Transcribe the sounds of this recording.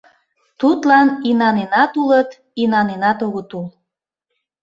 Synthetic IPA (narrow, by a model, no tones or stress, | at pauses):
t̪ut̪lɑninɑnenɑt̪ulət̪ | inɑnenɑt̪oɣot̪ul